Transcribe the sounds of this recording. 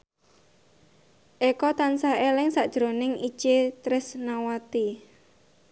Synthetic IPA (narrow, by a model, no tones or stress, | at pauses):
ʔekɔt̪ansaelɪŋsaʔd̥ʒ̥ɾo̤nɪŋi̥t͡ʃet̪ɾɪsnawat̪i